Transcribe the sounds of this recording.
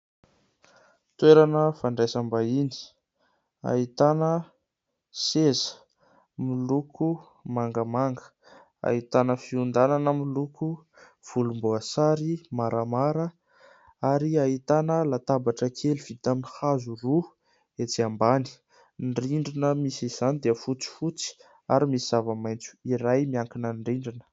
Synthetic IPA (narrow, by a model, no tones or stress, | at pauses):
t̪weɾanəfaɳɖ͡ʐasambaini̥ | a̰it̪anə | sezə̥ | milukʰu | maŋɡəmaŋɡə̥ | a̰it̪anəfiund̪ananəmilukʰu | v̥ulumbuasaɾimaɾʔamaɾə | aɾiaɦit̪anəlat̪abaʈ͡ʂəkʰeliv̥it̪aminihazuru | et͡siambani̥ | nriɳɖ͡ʐinəmisiz̥anid̪eəfut͡si̥fut͡si̥ | a̰ɾimisiz̥avəmajnt͡su̥iɾajmiaŋkinənɖ͡ʐiɳɖ͡ʐinə̥